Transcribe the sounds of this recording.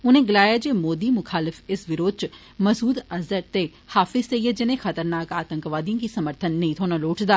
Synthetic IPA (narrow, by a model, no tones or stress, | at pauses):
ʊnẽːɡɪlaːjaːd͡ʒeːmoːd̪iːmʊkʰaːlɪfɪsʋɪɾoːd̪̚t͡ʃ | məsuːd̪əzəɾt̪eː | haːfɪzt̪eiːed͡ʒɪnẽːxət̪əɾnaːkaːt̪ə̃ŋkʋaːd̪ijãːkisəməɾt̪ʰənːəĩːt̪ʰoːnaloːʈʰd̪aː